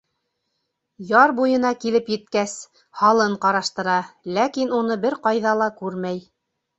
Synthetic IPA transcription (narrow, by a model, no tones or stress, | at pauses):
jɑɾbujɤ̆nɑkilɘpjɘ̆t̪kæs | hɑlˠɤɴqɑɾɑʃt̪ɤ̆ɾɑlækinunɤbɘɾqɑjðɑlˠɑkʉɾmæj